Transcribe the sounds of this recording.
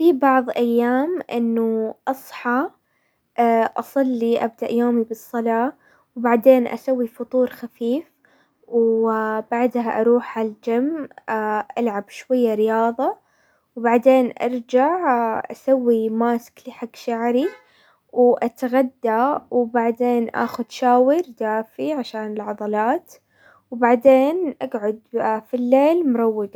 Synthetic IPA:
fibɑʕðˤʔajːaːmʔɪ̰nːuʔɑsˤħɑ | ʔɑsˤɑlːiʔa̰b̚d̪aʔjoːmibɨsˤːɑlɑː | wbaʕd̪eːnʔa̰sawːifʊt̪ˤuːɾxafiːf | wbaʕd̪haʔɑɾˤuːħhald͡ʒam | ʔalʕabʃwajːaɾɪjɑːðˤɑ | wbaʕd̪eːnʔɑ̰ɾˤd͡ʒaʕʔa̰sawːimaːskliːħaɡʃaʕɾi | wʔat̪ɣad̪ːawbaʕd̪eːnʔa̰ːxʊd̪ʃaːwɪɾd̪aːfiʕaʃaːnɪlʕɑd̪ˤɑlɑːt̪ | wbaʕd̪eːnʔaɡʕʊd̪filːeːlmʊɾˤɑwːɪɡ̪

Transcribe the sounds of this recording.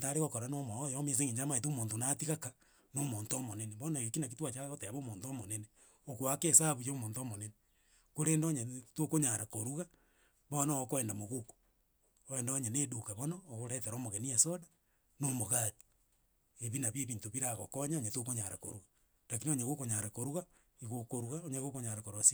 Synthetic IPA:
ntaɾeɣokoɾanomwaojomes̬eŋiɲd͡ʒamaet̬omoːntonatiɣaka | nomontomoneneβonaɣekinak̬itwat͡ʃaɣoteaβomoːntomonene | okwakesaβujomoːntomonene | koɾeːndoɲetokoɲaɾakoɾuɣa | βonookoɛːndamoɣuko̥ | oeːndoɲenedukaβonoːɣoɾeteɾomoɣeniasoda | nomoɣati̥ | eβinaβjeβiːntoβiɾaɣo̰koɲaoɲetokoɲaɾa̰ko̰ɾuɣa | nakinoɲeɣokoɲaɾakoɾuɣa | iɣokoɾuɣaoɲeɣokoɲaɾakoɾuɣasi

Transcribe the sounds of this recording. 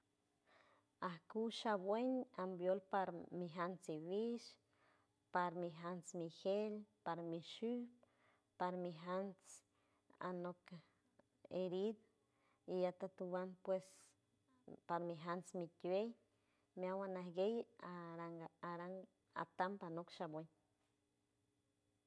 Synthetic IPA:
ahkuʃabweɲambjolpaɾmiɦant͡siβiʃ | paɾmiɦant͡smihelpaɾmiʃup | paɾmiɦant͡s | a̰nok | eɾid̪ | iat̪at̪ubanpwes | paɾmiɦant͡smitwej | meawanahɡejaɾaŋaɾaŋ | a̰t̪ampanokʃabweɲ

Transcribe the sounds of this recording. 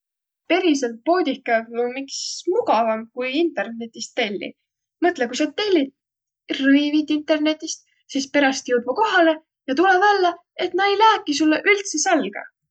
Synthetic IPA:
pe̞ɾiselt̪̚po̞ːd̪ʲihkːˑɑumiksmuɡɑvɑmkujint̪ˑe̞rne̞t̪ʲːˑist̪ːe̞lʲːḭ | mɤt̪ˑlekujsɑd̪̚t̪ːe̞lʲːid̪ | rɤjvid̪int̪ːˑe̞rne̞t̪ʲːˑist̪ | sispe̞ɾɑst̪jɤwd̪̚vuko̞ɦɑle̞ | jɑt̪ulevælːe | e̞t̪nɑejlæːkːˑisulːeʔylt̪seselɡ̥ɑ̰

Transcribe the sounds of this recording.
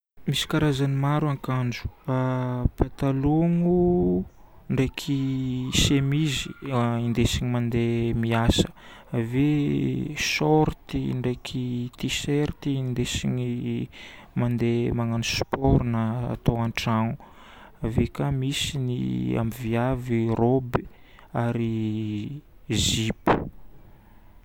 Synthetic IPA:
misi̥kaɾazanimaɾwaŋkand͡ʒu̥apat̪aloŋu | ɳɖ͡ʐekʰisemiziind̪esiɲimand̪emiasə̥ave | sɔɾt̪iɳɖ͡ʐejkʰit̪iseɾt̪ind̪esiɲi | mand̪emaŋanuspɔɾnəa̰t̪oaɳʈ͡ʂanu | avekamisinḭa̰miviavirobi | aɾi | zipu̥

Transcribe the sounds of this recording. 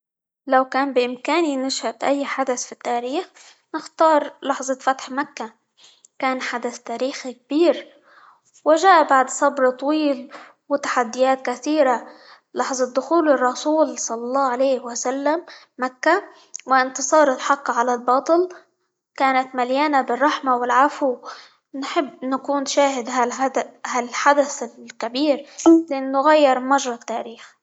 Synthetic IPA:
lawkaːnbɪʔɪmkaːninaʃhat̪ʔajːħad̪aθfit̪ːaːɾiːx | nɪxt̪ɑːɾˤlɑħzˤɑfat̪ħmakːa | kaːnħad̪aθt̪aːɾiːxik̚b̥iːɾ | wɪʒaːʔabaʕd̪sˤɑbɾt̪ˤɑwiːl | wɪt̪ḁħad̪ːɪjaːt̪kaθiːɾa | lɑħzˤɑd̪ːʊxuːlːɪrˤːɑsuːlsˤɑlːɑlˤːɑːʕalejːhwasalːamː | akːa | wɪʔɪnt̪ɨsˤɑːɾˤt̪ħɑqːʕalalbɑːt̪ˤɨl | kaːnat̪maljaːnabɪrˤːɑħmawɪlʕafu | nħɪbːnakuːnʃaːɦɪd̪ɦald̪halħad̪aθɪlkabiːɾlɪʔanːʊɣajːɪɾˤmaʒɾˤɑt̪ːaːɾiːx

